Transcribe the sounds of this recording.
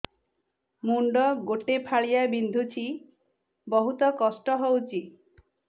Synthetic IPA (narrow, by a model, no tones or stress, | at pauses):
muɳɖɔɡoʈepʰaɭijabind̪ʱut͡ʃʰi | bɔɦut̪ɔkɔsʈɔɦɔwt͡ʃʰi